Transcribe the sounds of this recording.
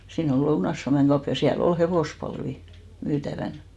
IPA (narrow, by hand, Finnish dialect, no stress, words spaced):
siːn ol lounɑĭs suɑmeŋ ɡ̊ɑup jɑ siæl ol heʋoˑspɑlʋi myːtæʋæn